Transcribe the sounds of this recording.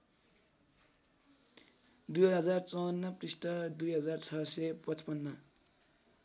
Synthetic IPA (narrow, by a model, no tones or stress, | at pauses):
d̪ujɦʌd͡zart͡sʌwʌnːʌpprist̪ʌd̪ujɦʌd͡zart͡sʰʌsʌpʌt͡spʌnːʌ